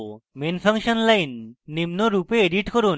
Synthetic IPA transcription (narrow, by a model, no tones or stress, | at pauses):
menpʰaŋʃɔnlajnːimnoɾupeːɖiʈkoɾun